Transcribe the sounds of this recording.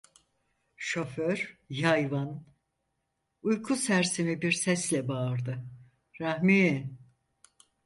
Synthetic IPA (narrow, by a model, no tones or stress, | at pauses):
ʃo̞føɾjajvan | ujkʰusæɾsimibiɾsɛslʲɛbaɾd̪ɯ | ɾahmi